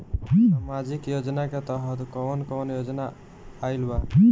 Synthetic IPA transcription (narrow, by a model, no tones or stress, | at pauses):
mad͡ʒikjod͡ʒnaket̪ɔɦʌt̪kɔɔnkɔnjod͡ʒnaː | jlba